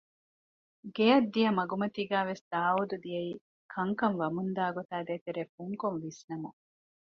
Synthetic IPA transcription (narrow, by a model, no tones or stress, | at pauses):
ɡejɐd̪ːijɐmɐɡumɐt̪iːɡæːʋesd̪̥aːud̪ud̪ijɐiː | kʰɐŋkɐnʋɐmund̪aːɡot̪aːd̪eːt̪eɾeːfuŋkonʋisnɐmu